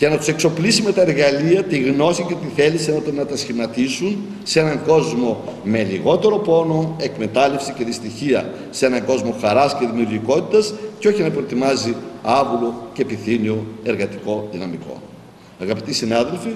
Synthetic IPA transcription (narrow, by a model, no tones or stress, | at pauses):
cenɐt̪u̥se̞kso̞plisime̞t̪ɐeɾɣɐliɐt̪iɣno̞sice̞t̪iθe̞lisɐno̞t̪enɐt̪ɐsçimɐt̪isun | see̞nɐŋɡo̞zmo̞me̞liɣo̞t̪e̞ɾo̞po̞no̞e̞kme̞t̪ɐle̞fsice̞ðist̪içiɐ̰ | se̞nɐŋɡo̞zmo̞xɐɾɐsceðimiuɾʝiko̞t̪it̪ɐsceo̞çinɐpɾot̪imɐziɐvulo̞ce̞piθinio̞e̞ɾɣɐt̪i̥ko̞ðinɐmiko̞̰ | ɐɣɐpit̪isinɐðe̞lfi